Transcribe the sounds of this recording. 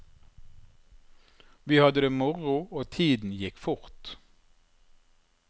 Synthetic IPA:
ʋiːhɑd̪əd̪eːmʊʁʊoːt̪ʰiːd̪n̩jɪkfʊʁt̪

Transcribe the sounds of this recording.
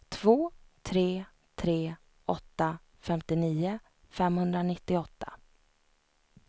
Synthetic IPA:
t̪ʰv̥oːt̪ʰɾeː | t̪ʰɾeː | ɔt̪ːa | fɛmt̪ɪniːʊ | fɛmhɵnd̪ɾanɪt̪ːɪɔt̪ːa̰

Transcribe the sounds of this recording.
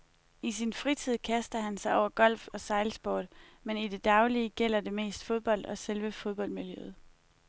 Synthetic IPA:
isinfʁit͡sʰið̞̰ˠkʰæsd̥ɐhænsɑ̈ɪɒʊ̰ɐɡ̥ɒ̽l̰fɒ̽sɑ̈ɪlsb̥oːd̥menid̥e̝d̥ɑ̈ʊliəɡ̥el̰ɐde̝me̝̰ːsd̥fo̝ðˠb̥ɒ̽l̰d̥ɒ̽selʋəfo̝ð̞ˠb̥ɒ̽l̰d̥miljøð̞̩ˠ

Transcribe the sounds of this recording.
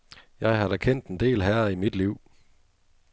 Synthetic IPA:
jɑ̈ɪɦɑ̈ɾɒkʰen̰d̥end̥e̝̰ːlɦæɐimid̥liʊ̰

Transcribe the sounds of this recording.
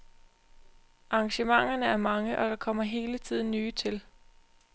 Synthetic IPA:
ʔɑ̈ŋɕəmɑ̈ŋ̰ɐnəæɐmɑ̈ŋəʔɒ̽d̥ɑ̈kʰɒ̽m̰ɐɦe̝ːlət͡sʰið̰ˠn̩ːyːt͡sʰe̝l

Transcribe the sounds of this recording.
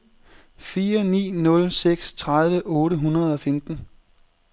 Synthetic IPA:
fiːɐnḭːnɔ̽lseɡ̥st͡sʰʁaðˠʋəʔɔ̽ːɾəɦunɐð̞̩ˠɒ̽femd̥n̩

